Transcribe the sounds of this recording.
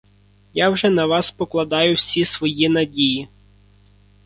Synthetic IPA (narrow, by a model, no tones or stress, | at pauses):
jɑwʒɛnɐʋɑspɔklˠɐd̪ɑjʊwsʲisʋɔjinɐdʲiji